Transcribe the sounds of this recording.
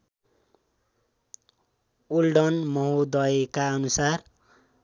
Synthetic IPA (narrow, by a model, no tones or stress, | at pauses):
ulɖʌnmʌɦod̪ʌekaʌnusar